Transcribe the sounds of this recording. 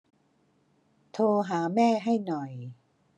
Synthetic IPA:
t̪ʰoː˧ɦaː˩˦mɛː˥˩ɦa˥˩jnɔ˨˩j

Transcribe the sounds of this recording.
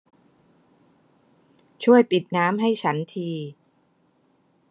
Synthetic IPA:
t͡ɕʰu˥˩əjpi˨˩t̪̚naː˦˥mɦa˥˩jt͡ɕʰa˦˥nt̪ʰiː˧

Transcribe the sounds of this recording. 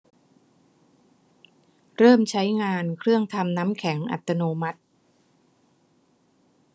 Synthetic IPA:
ɾɤː˥˩mt͡ɕʰa˦˥jŋaː˧nkʰɾɯ˥˩əŋt̪ʰa˧mna˦˥mkʰɛ˩˦ŋʔa̰˨˩t̪ːa˧noː˧ma˦˥t̪̚

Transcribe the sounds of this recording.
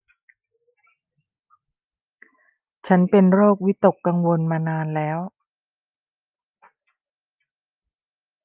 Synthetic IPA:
t͡ɕʰa˦˥npe˧nɾoː˥˩k̚wi˦˥t̪o˨˩kːa˧ŋwo˧nmaː˧naː˧nlɛː˦˥w

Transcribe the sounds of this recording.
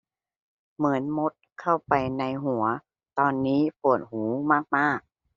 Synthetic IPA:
mɯ˩˦ənmo˦˥t̪̚kʰa˥˩wpa˨˩jna˧jɦu˩˦ɐ | t̪ɔː˧nːiː˦˥pu˨˩ət̪̚huː˩˦maː˥˩k̚maː˥˩k̚

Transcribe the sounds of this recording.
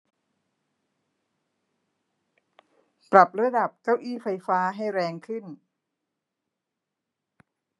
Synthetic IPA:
pɾa˨˩p̚ɾa˧˥da˨˩p̚ka˥˩wʔiː˥˩fa˧jfaː˦˥ɦa˥˩jɾɛː˧ŋkʰɯ˥˩n

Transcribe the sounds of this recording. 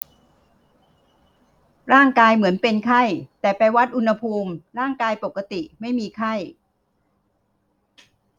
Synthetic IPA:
ɾaː˥˩ŋkaː˧jmɯ˩˦ənpe˧nkʰa˥˩jt̪ɛː˨˩pa˧jwa˦˥t̪̚ʔu˧nha˧pʰuː˧mɾaː˥˩ŋkaː˧jpo˨˩kːa˧t̪i˨˩ma˥˩jmiː˧kʰa˥˩j

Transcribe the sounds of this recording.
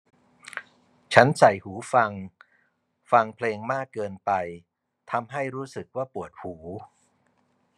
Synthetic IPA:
t͡ɕʰa˦˥nsa˨˩jhuː˩˦fa˧ŋ | fa˧ŋpʰleː˧ŋmaː˥˩kːɤː˧npa˧j | t̪ʰa˧mɦa˥˩jɾuː˦˥sɯ˨˩k̚waː˥˩pu˨˩ət̪̚huː˩˦

